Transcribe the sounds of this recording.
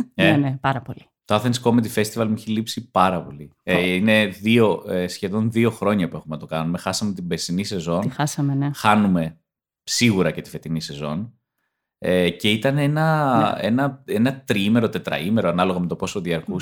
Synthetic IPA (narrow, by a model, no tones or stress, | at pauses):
eenepɐɾɐpoli | t̪oɐθenskomet̪̬ife̞st̪ivɐlmuiçelipsipɐɾɐpo̞liine̞ðio̞esçe̞ðo̞nðio̞xɾo̞ɲɐpue̞xumenɐt̪o̞kɐnume̞xɐsɐmet̪ibesinise̞zo̞nnxɐsɐmenexɐnume̞ | siɣuɾɐce̞t̪ife̞t̪inise̞zo̞n | ece̞it̪ɐnenɐe̞nɐe̞nɐt̪ɾime̞ɾo̞t̪e̞t̪ɾɐ̰ime̞ɾoɐnɐlo̞ɣɐme̞t̪o̞po̞soðiɐɾkus